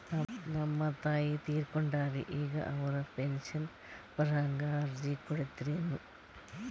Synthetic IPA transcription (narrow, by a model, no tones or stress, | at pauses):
ɐnɐmːɐt̪ːaːjit̪iːrkoɳɖaːriʔiːɣɐ̰ʔɐʋrɐpenɕɐn | pɐrɐŋɡard͡ʑikːoɽet̪ːiɾenːu